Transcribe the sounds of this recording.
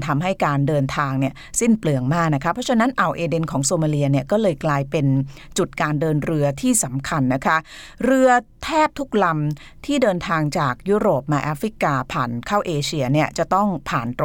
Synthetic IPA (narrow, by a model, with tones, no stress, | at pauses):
nt̪ʰa˧mɦa˥˩jkaː˧ndɤː˧nt̪ʰaː˧ŋni˥˩ɐsi˥˩nplɯ˧˩əŋmaː˥˩k̚na˦˥kʰa˦˥pʰɾɔ˦˥t͡ɕʰa˧˥na˦˥nʔa˨˩wʔeː˧de˧nkʰɔː˩˦ŋsoː˧maː˧li˧ɐni˥˩ɐkɔː˥˩lɤː˧jklaː˧jpe˧n | t͡ɕu˨˩t̪̚kaː˧ndɤː˧nɾɯ˧ɐt̪ʰiː˥˩sa˩˦mkʰa˧nːa˦˥kʰa˦˥ɾɯ˧ɐt̪ʰɛː˥˩p̚t̪ʰu˦˥k̚la˧m | t̪ʰiː˥˩dɤː˧nt̪ʰaː˧ŋt͡ɕaː˨˩k̚juː˦˥ɾoː˨˩p̚maː˧ʔaː˦˥fɾi˦˥kaː˧pʰaː˨˩nkʰaː˥˩wʔeː˧t͡ɕʰi˧ɐni˥˩ɐt͡ɕa˨˩t̪ɔ˥˩ŋpʰaː˨˩nt̪